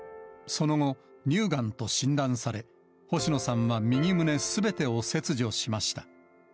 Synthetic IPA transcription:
so̞no̞ŋo̞ɲʲɨːɡãnt̪o̞ɕĩnd̪ãɰ̃saɾe̞ | ho̞ɕino̞sãɰ̃βamʲiɲ̟imɯ̟ne̞sɨbe̞t̪e̞o̞se̞t͡sɨʑio̞ɕimaɕi̥t̪ḁ

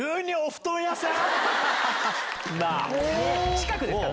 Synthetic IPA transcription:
ɯɲʲːioɸɯ̟̥t̪õjasɨ̃ | ma̰ot͡ɕi̥kakɯd̪e

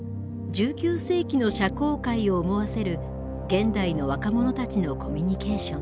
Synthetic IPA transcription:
d͡ʑɨːkʲɨːse̞ːkʲino̞ɕako̞ːkaio̞ːmo̞βase̞ɾɯ̟ | ɡẽ̞nd̪aino̞β̞akamo̞no̞t̪at͡ɕino̞kʰo̞mʲiɲ̟ike̞ːɕõ̞ŋ

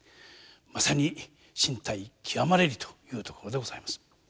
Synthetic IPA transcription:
masaɲ̟i | ɕĩnt̪aikʲʰiβamaɾe̞ɾɯt̪o̥jɯ̟ːt̪o̞ko̞ɾo̞d̪e̞ɡo̞z̥aimasɨ̥

